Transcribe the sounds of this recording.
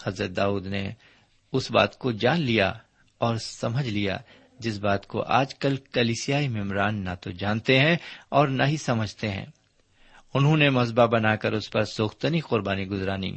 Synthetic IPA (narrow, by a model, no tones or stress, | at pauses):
hɐzɾət̪̚d̪aːuːd̪nḛ | ʊsba̰ːt̪kod͡ʒaːnlija̰ | ɔːɾsɐməd͡ʒʱlija̰ | d͡ʒɪs̬baːt̪ko̰ʔa̰ːd͡ʒkɐlkɐliːsijaːimɪmɾaːnːat̪od͡ʒaːnt̪eɦɛ̃ɔːɾnaɦisɐməd͡ʒʱt̪eɦɛ̰̃ː | ʊnɦõnemɐzbabɐnaːkɐɾʊspɐɾsoːxt̪əniqʊɾbaːniɡʊzɾaːnḭː